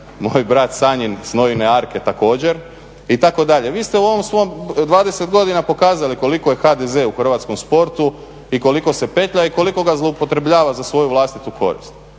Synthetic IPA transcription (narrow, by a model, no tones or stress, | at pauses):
mojbɾat̪saɲinsno̞jineaɾke̞t̪ako̞ːd͡ʑe̞ɾ | it̪ako̞d̪aʎe̞ʋiːst̪e̞uo̞ʋo̞msʋomd̪ʋaːd̪e̞set̪ɡo̞d̪inapo̞kaːzaliko̞liko̞je̞xad̪ezeuxr̩ʋat̪sko̞mspo̞ɾt̪u | iko̞liko̞se̞pe̞t̪ʎaiko̞liko̞ɡazlˠoupo̞t̪ɾe̞bʎaːʋazasʋo̞juʋlˠast̪it̪ukʰo̞̰ɾḭst̪